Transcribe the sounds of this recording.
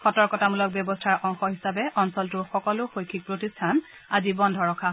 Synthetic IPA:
xɔtɔɹkɔtamulɔk̚bjɔbɔstʰaɹʔɔŋxɔɦisabɛʔɔŋsɔltʊxɔkɔlʊxojkʰik̚pɹotistʰan | azibɔndʱɔɹɔkʰa

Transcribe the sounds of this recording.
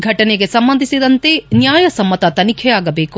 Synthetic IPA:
ɡʱɐʈɐneɡe̞sɐmbɐnd̪ʱisid̪ɐnt̪e̞njaːjɐsɐmːɐt̪ɐt̪ɐnikʰɛjaːɡɐbe̞ːku

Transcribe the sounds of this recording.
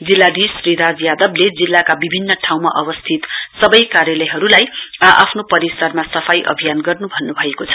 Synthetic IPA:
d͡zilːad̪isriɾad͡zjad̪ʌbled͡zilːakabibʱinːʌʈʰawmaʔʌbʌst̪ʰit̪sʌbʌjkaɾjʌlʌjɦʌɾulajʔa̰pʰnopʌɾisʌrmasʌpʰajʔʌ̰bʱijanɡʌrnubʱʌnːubʱʌekot͡sʰʌ̥

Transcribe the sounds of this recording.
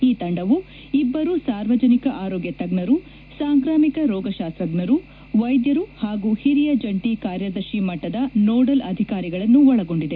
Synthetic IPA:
iːt̪ɐɳɖɐʋu | ibːɐɾusaːɾʋɐd͡ʒɐnikɐʔaːɾoːɡjɐt̪ɐɡɳɐɾu | saːŋkɾaːmikɐɾɔːɡɐʃaːst̪ɾɐɡɳɐɾu | ʋɐjd̪jɐɾuhaːɡuhiɾijɐd͡ʒɐɳʈikaːɾjɐd̪ɐɾʃimɐʈːɐd̪ɐnoːɖɐlɐd̪ʱikaːɾiɡɐɭɐnːuɔɭɐɡo̞ɳɖid̪e̞

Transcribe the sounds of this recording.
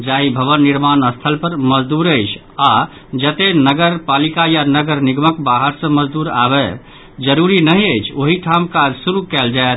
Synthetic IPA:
d͡ʒaɦibʱəʋənːiɾmanəst̪ʰəlpəɾməd͡ʒd̪uɾəɪt͡ʃʰ | a | d͡ʒət̪enəɡəɾpalikajanəɡəɾniɡməkbaɦəɾsə̃məd͡ʒd̪uɾa̰bɛ | d͡ʒəɾuɾinəɦiəɪt͡ʃʰoɦiʈʰamkad͡ʒsuɾukɛld͡ʒae

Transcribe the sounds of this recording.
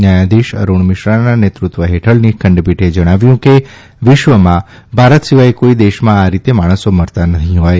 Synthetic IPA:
njajad̪iʃə̰ɾuɳ̃mɪʃɾananet̪ɾut̪ʋəɦeʈʰəɭnikʰə̃ɳɖpiʈʰed͡ʒəɽ̃aʋjũke | ʋɪʃʋəmã | bʱaɾət̪siʋaekoid̪eʃmãːɾit̪emaɽ̃əsoməɾt̪anət̪ĩɦɔj

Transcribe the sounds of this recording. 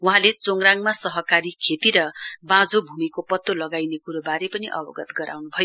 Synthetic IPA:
wuɦãlet͡soŋraŋmasʌɦʌkaɾikʰet̪iɾʌbãd͡zobʱumikopʌt̪ːolʌɡajnekuɾobaɾepʌniʔʌ̰bʌ̰ɡʌt̪ɡʌɾa̰wnubʱʌjo

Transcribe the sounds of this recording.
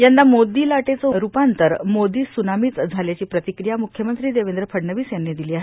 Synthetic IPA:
jandːamod̪iːlaʈet͡soɾupant̪əɾmod̪iːsunamiːt͡sd͡zʱaljat͡ɕiːpɾət̪ikɾijamukʰjəmənt̪ɾiːd̪eʋend̪ɾəpʰəɽɳəʋiːsjanːid̪iliːaɦe

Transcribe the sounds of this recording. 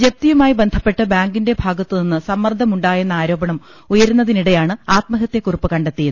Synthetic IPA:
d͡ʑep̚t̪ijɐmaːjibe̞nd̪ʱɐpːe̞ʈːɨbaːŋɡinde̞bʱaːɡɐt̪ːɨninːɨsɐmːɐrd̪ʱɐmuɳɖaːjenːɐaːɾo̞ːbɐɳɐm | ujɐɾunːɐðiniɽe̞jaːɳɨaːt̪mɐɦɐt̪jɐkurɨpːɨkɐɳɖet̪ːiju

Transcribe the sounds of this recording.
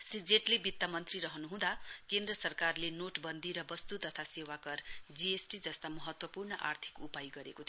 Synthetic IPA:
srid͡zeʈlebit̪ːamʌnt̪riɾʌɦʌnuɦũd̪akend̪rʌsʌrkarlenoʈbʌnd̪iɾʌbʌst̪ut̪ʌt̪ʰasewakʌrd͡ziesʈid͡zʌst̪amʌɦʌt̪wʌpurnʌʔa̰rt̪ʰi̥kupajiɡʌɾḛkot̪ʰ

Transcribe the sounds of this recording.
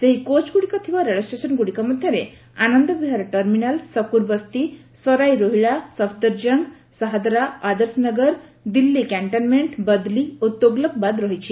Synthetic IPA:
seɦikot͡ʃɡuɽikɔt̪ʰibaɾeɭəsʈesɔnɡuɽikɔmɔd̪ʱjʌɾe | anʌnd̪ɔbiɦaɾʈəɾminalsɔkuɾbəst̪i | sɔɾajɾoɦiɭasɔfʰd̪əɾd͡ʒəŋɡ | səɦad̪ɾaːd̪əɾsnəɡəɾ | d̪ilːikaɳʈənmeɳʈbəd̪liot̪ːoɡlɔk̚bad̪ɾɔɦit͡ʃʰi

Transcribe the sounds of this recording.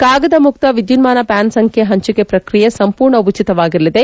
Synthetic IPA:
kaːɡɐd̪ɐmuk̚t̪ɐʋid̪junmaːnɐpaːnsɐŋkʰjeɦɐɲt͡ʃukepɾɐkɾijesɐmpuːɾɳɐut͡ʃit̪ɐʋaːɡiɾlːid̪e

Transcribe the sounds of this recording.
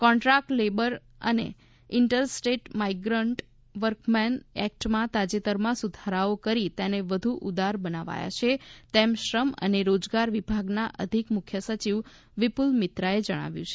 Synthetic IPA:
kɔ̃ɳʈɾak̚ʈlebəɾ | ə̰nḛ | ɪɳʈəlsʈeʈmaiɡɾəɳʈ | ʋəɾkmɛnɛk̚ʈmãt̪ad͡ʒet̪əɾmãsud̪ʱaɾaokəɾit̪eneʋəd̪ʱuʔud̪aɾbənaʋa̰ja̰t͡ʃʰet̪emʃɾəmə̰neɾod͡ʒɡaɾʋibʱaɡnaʔəd̪ʱikmʊkʰjəsət͡ʃiʋ | ʋipulmɪt̪ɾaed͡ʒəɽ̃a̰ʋjũt͡ʃʰe̥

